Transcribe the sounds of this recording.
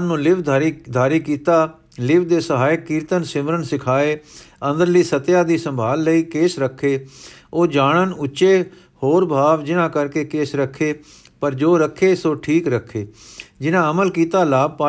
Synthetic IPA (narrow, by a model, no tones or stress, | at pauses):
nũːlɪʋd̪ɾd̪ʱaːɾiːkiːt̪aː | lɪʋd̪eːsəɦaːjəkːiːɾt̪ənsɪməɾəɳsɪkʰaːeː | ə̃nd̪əɾliːsət̪jaːd̪iːsəmbʱaːlːəiːkeːsɾəkʰːeː | oːd͡ʒaːɳənʊtːt͡ʃeː | hoːɾbʱaːʋd͡ʒɪnãːkəɾkeːkeːsɾəkʰːeː | pəɾd͡ʒoːɾəkʰːeːsoːʈʰiːkɾəkʰːeːd͡ʒɪnãːəməlkiːt̪aːlaːb̚paː